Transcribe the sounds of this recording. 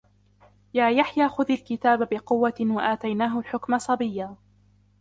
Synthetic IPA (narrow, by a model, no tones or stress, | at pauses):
jaːjaħjaːxʊðalkɪt̪aːbabɪqʊwːawaʔaːt̪ajnaːɦʊlħʊkmasˤɑbɪjːaː